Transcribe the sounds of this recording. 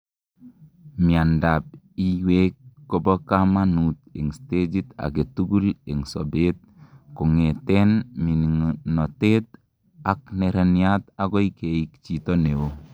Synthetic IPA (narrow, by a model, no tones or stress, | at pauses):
miandap̚ | iwekːɔbɔkamanut̪̚eŋsted͡ʒit̪a̰ɡet̪uɡuleŋsobet̪̚kɔŋet̪enminiŋnɔtet̪̚ | ak̚neɾaniat̪aɡoikeikt͡ʃit̪oneo